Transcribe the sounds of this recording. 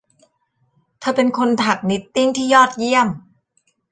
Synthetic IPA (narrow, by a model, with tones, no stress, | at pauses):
t̪ʰaː˧˩pe˧nkʰo˧nt̪ʰa˨˩k̚ni˦˥t̪ːi˥˩ŋt̪ʰiː˥˩jɔː˥˩t̪̚ji˥˩əm